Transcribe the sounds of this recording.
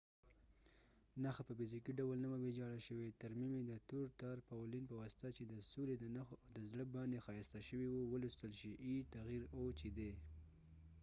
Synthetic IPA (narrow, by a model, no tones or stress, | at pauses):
naxapəfɪzikiɖawəlnaməwed͡ʒɑɽaʃəwet̪aɾmimed̪ət̪uɾt̪ɑɾpawlinpəwast̪at͡ʃed̪əsoled̪ənaxd̪əzɽəbɑnd̪exɑjast̪aʃəwiwowəlust̪əlʃiʔit̪aɣiɾot͡ʃed̪e